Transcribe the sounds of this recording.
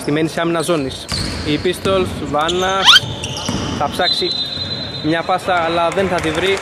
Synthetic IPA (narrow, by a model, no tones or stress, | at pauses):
st̪imeniseɐminɐzo̞nisipist̪olsvɐnːɐs | θɐpsɐksi | mɲɐfɐsɐːlɐðenθɐtivɾi